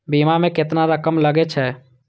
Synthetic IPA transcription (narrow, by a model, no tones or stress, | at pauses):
bimamẽkɪt̪naɾəkəmləɡet͡ʃʰɛː